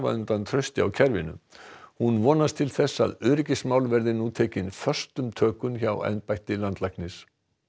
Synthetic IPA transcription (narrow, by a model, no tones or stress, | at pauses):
va̰ʏnt̪ant̪ʰɾœɥst̪ɪa̰wcʰɛɾvɪnʏ̰hunvɔːnast̪ʰɪlθɛsːa̰ðʏːɾɪcɪsmaːwlvɛɾðɪnut̪ʰɛːcɪnfœr̥st̪ʏmt̪ʰœːkʏnçawɛ̰npajht̪ɪlant̪lajhknɪs